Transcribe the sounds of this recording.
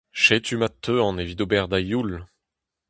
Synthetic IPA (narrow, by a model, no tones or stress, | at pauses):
ʃet̪ʰymat̪ʰːøɑ̃nevid̪obɛʁd̪ajul